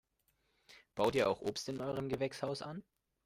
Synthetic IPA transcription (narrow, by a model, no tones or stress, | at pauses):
b̥aʊtiːɐʔaʊxʔoːpstɪnʔɔʏʁ̞əmɡəvɛkshaʊsʔan